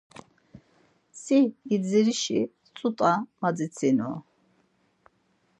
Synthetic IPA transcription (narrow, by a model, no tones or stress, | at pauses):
siid͡ziɾiʃḭ | t͡sʼut̪ʼamad͡zit͡sʰinɔ̰